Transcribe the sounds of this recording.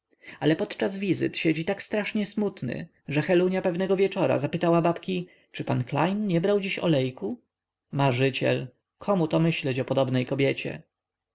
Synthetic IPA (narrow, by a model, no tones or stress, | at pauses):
alɛpɔt̪t͡ʂazvʲizɘ̰t̪ɕɛd͡ʑit̪akst̪ɾaʂɲɛsmut̪nɘ̰ | ʐɛxɛluɲapɛvnɛɡɔvʲjɛt͡ʂɔɾa̰zapɘt̪awabapkʲi | t͡ʂɘpankla̰jnɲɛbɾawd͡ʑiɕɔ̰lɛjku | maʐɘt͡ɕɛ̰l | kʰɔmut̪ɔmɘɕlɛt͡ɕɔpɔd̪ɔbnɛjkɔbʲjɛt͡ɕɛ̰